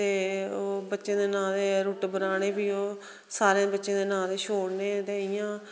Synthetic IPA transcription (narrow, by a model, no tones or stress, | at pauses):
t̪eːoːbətːʃẽːd̪eːnãːd̪eːɾuːʈbənaːɽ̃eːbiːoː | saːɾeãːbətːʃẽːd̪eːnãːd̪eːʃʰoːɽneːt̪eːɪjãː